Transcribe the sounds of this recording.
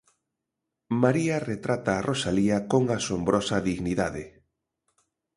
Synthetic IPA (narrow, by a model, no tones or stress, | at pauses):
maɾiaret̪ɾat̪aːrʔosaliakoŋasombɾɔsaðiɣniðaðɪ̰